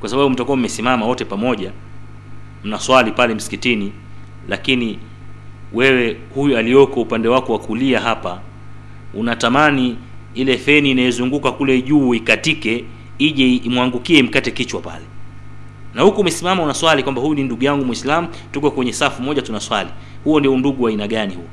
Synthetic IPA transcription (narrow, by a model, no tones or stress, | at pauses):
kwasaɓaɓum̩takuam̩ɛsimamawɔtɛpamɔʄa | m̩naswalipalɛm̩si̥kitini | lakini | wɛwɛ | hujualijɔkɔupandɛwakɔwakuliaɦapa | unatamaniilɛθɛniːnajɛzuŋɡukakulɛʄuːikatikɛ | iʄɛimwaŋɡukiɛm̩katɛkit͡ʃwapa̰lɛ | nahukuːmɛsimamaunaswalikwambahujuninduɠujaŋɡumwislamutukɔkwɛɲɛsafumɔʄatunaswalihuɔndiɔnduɠuainaɠanihuɔ